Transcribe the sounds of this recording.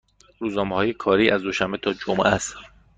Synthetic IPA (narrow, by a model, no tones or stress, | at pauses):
ɾuːznɒːmehɒːje̞kʰɒːɾiːʔæzd̪oʃæmbet̪ʰɒːd͡ʒomʔæst̪